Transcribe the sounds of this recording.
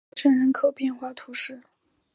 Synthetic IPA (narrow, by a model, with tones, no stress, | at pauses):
ʈ͡ʂʰə˥˩nɻə˧˥nkʰo˨˩ʊpjɛ˥˧nxwa˥˩t̪ʰu˧˥ʂɻ̩˥˩